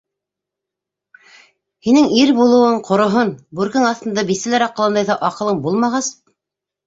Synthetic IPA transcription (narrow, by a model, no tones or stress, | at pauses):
hinɘŋiɾbulˠɤ̆wɤɴqʰŏɾŏɦonbuɾkɘŋɑθt̪ɤ̆nd̪ɑbisɘ̆læɾɑqːɤlˠɑnd̪ɑjðɑʔɑqɤ̆lˠɤmbulˠmɑʁɑs